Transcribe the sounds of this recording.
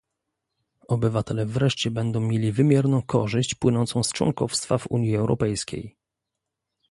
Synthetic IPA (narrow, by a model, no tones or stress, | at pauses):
ɔbɘvat̪ɛlɛvɾɛʂt͡ɕɛbɛnd̪ɔ̃w̃mʲjelʲivɘmʲjɛɾnɔ̃w̃kʰɔʐɘɕt͡ɕpwɘnɔnt̪sɔ̃w̃st͡ʂwɔ̰ŋkɔfst̪favṵɲjiɛwɾʔɔ̰pɛjskʲḛj